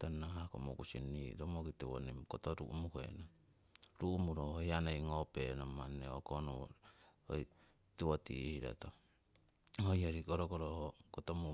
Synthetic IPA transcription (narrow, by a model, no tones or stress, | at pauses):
tonːahakomokusḭnːiɾomokitiwo̰nimkotoɾuʔmukḛna | ɾumuɾoojanejŋopenomanːeokonṵ | o̰j | tewotḭhiɾo̰to | hojoɾikoɾokoɾohokotomu